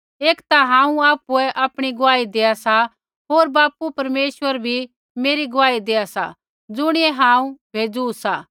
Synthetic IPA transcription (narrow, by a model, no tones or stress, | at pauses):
eːkt̪aɦãːũaːpuɛʔaːpɽ̃iɡʊaːid̪eːasa | ɦoːɾbaːpupɐɾmeːsʋəɾbʱi | meːɾiɡʊʋaːid̪eːasa̰ | d͡zʊɽ̃iɛɦãːũbʱeːd͡zuusaː